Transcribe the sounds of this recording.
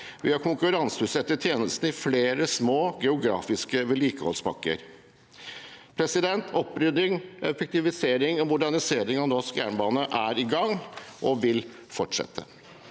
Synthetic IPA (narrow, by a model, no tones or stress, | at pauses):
ʋɪhɑɾkʊŋkʉɾɑnsəʉt̪sɛt̪ːət̪ʰjeːnəst̪n̩ɪfleːɾəsmoːɡɛʊɡɾɑ̰ːfɪskəʋɛliːkəhɔ̰lsbɑ̰kːə̰ɾ | pʰɾɛsɪd̪ɛnt̪ʰɔpːɾʏd̪ɪŋɛfɛk̚t̪ɪʋɪseːɾɪŋɔmʊɖæɳɪseːɾɪŋɑnɔskjæ̰ːɳbɑːnəʔæɾɪɡɑŋʔɔʋɪl | fɔʈʂɛ̰t̪ʰːə̰